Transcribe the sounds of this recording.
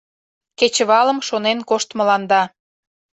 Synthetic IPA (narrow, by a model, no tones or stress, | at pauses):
ket͡ɕəβɑlə̆mʃonenkoʃt̪mə̆lɑnd̪ɑ